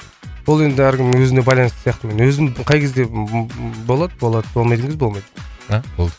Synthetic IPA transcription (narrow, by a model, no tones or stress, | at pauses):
bolˠe̞nd̪ɪæɾkʲɪmwɵzɪne̞bɑjlˠɑnsə̥sijɑqt̪əme̞nwɵzɪmqʰɑjkʲʰe̞zd̪e̞ | bo̞lˠɑd̪əbo̞lˠɑd̪əbolmɑjd̪əŋɪzbo̞lˠmɑjd̪əabolˠd̪